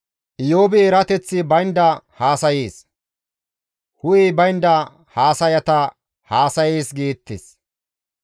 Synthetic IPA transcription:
ʔɪjoːbɪɛɾɐt̪ɛt͡sːɪbɐjnd̪ɐhaːsɐjiːs | hʊjibɐjnd̪ɐ | haːsɐjɐt̪ɐ | haːsɐjeːsɡiːt̪ːɪs

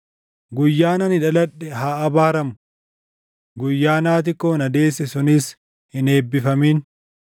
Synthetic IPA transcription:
ɡʊjːaːnɐnɪᶑɐlɐᶑɛɦaːʔɐbaːɾɐmʊ | ɡʊjːaːnaːt̪̬ɪkːoːnɐd̪e̞ːsːɛsʊnɪs | hɪne̞ːbːɪfɐmiːn

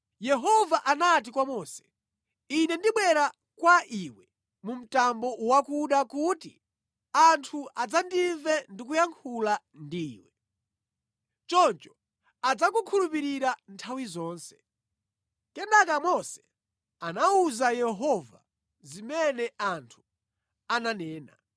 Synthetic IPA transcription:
jɛɦɔvaʔanat̬ikwamɔːsɛ̥ | inɛndiɓwɛɾa | kwaʔiwɛ | mum̩tambɔʔwakuɗakuːtḭ | antʰuʔad͡zandiɱvɛndik̬ujaŋkʰula | ndiːwɛ | t͡ʃɔnt͡ʃɔ̥ | ad͡zakukʰulupiɾiɾantʰawizɔːnsɛ̥ | kɛndakamɔsɛ̥ | anauzajɛɦɔva̰ | zimɛnɛʔantʰu̥ | ananɛːna̰

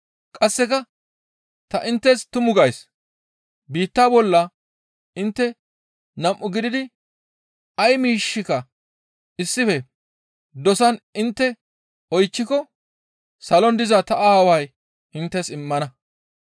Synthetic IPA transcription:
kʼɐsːɛkɐ | t̪ɐʔɪnt̪ːɛst̪ʊmʊɡɐjs | biːt̪ːaːbɔlːɐ | ɪnt̪ːɛ | nɐmʔːʊɡɪd̪ɪd̪ɪ | ɐjmiːʃːɪkɐ | ɪsːɪfɛ | d̪ɔsɐnɪnt̪ːɛ | ɔjt͡ʃːɪkɔ | sɐlɔnd̪ɪzɐt̪ɐʔahɐwɐj | ɪnt̪ːɛsɪmːɐnɐ

